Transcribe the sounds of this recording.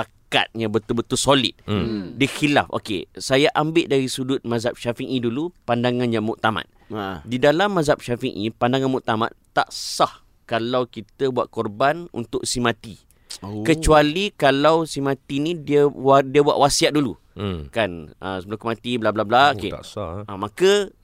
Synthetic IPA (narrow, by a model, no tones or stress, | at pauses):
aka̰t̪̚ɲãbət̪ulbət̪ʊlsolɪ̰t̪̚diəxila̰fo̰kḛsajaʔambɪʔdaɾisudʊt̪̚mãzap̚ʃafiŋʔidulupandaŋãnjamuʔ̚t̪ama̰t̪̚didalamːazap̚ʃafiŋʔḭpandaŋanmuʔt̪ama̰t̪t̪a̰ʔsah | kalawkit̪əbuaʔ̪̚kɔrbanṵnt̪ʊksimãt̪i | kət͡ʃualikalawsimãt̪inidiədiəbua̰ʔwasiaʔ̚dulu | kanə̰səbəlukəmãt̪iblablablaokḛamakə